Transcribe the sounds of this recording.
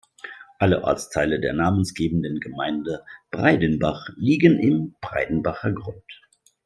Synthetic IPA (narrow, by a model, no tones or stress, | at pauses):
ʔalə̰ʔɔ̰ɐt͡stʰaɪlədeːɐnaːmənsɡ̥eːbn̩dənɡəmaɪndəb̥ʁaɪdənbaχliːɡənʔɪmb̥ʁa̰ɪdn̩baχɐɡʁʊnt